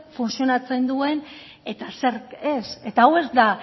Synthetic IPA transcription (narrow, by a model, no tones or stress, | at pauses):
funsio̞nat͡se̞nd̪ue̞n | e̞t̪ase̞ɾe̞se̞t̪aːwe̞zd̪a